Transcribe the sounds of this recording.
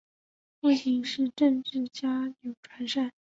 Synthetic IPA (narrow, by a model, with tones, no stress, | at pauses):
pu˥˩ɕʰi˧˥ŋʂɻ̩˥˧ʈ͡ʂə˥˧ŋʈ͡ʂɻ̩˥˩t͡ɕja˥jo˨˩ʊʈ͡ʂʰwa˧˥nʂa˥˩n